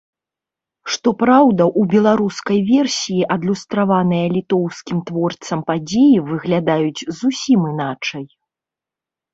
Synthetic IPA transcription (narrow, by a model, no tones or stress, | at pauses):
ʂt̪ɔpɾawd̪ɐʔubʲɛlˠaɾuskɐjvʲɛrsʲijiʔɐd̪lʲust̪ɾavanɨjɐlʲit̪ɔwskʲimt̪vɔrt̪sɐmpad͡zʲejivɨɣlʲad̪ajud͡zʲzusʲimɨnat͡ʂɐj